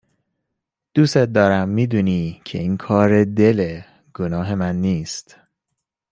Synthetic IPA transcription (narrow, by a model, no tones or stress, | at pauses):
d̪̥uːset̪̚d̪ɒːɾæmːiːd̪uːniːcʰe̞̰iːnkʰɒːɾed̪e̞le | ɡ̥onɒːɦe̞mænːiːst̪